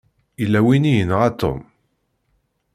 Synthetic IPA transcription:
ilːæwinijənʁat̪ːo̰m

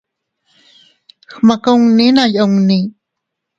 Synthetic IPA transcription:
xmakəwŋninajʔəŋni

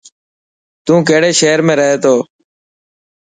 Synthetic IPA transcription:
t̪ũːkeːɽeːʃeːəɾmẽːɾəɦeːt̪oː

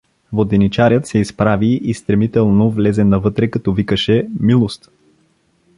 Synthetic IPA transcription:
vod̪ɛnit͡ʃaɾʲət̪sɛispɾaviist̪ɾɛmit̪ɛlˠnovlɛzɛnɐvɤt̪ɾɛkɐt̪ɔvikəʃɛmilˠost̪

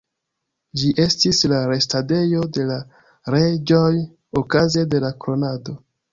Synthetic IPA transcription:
d͡ʒiʔe̞stislaɾe̞stade̞jo̞de̞la | ɾe̞d͡ʒo̞j | okaze̞de̞lakɾo̞nado̞

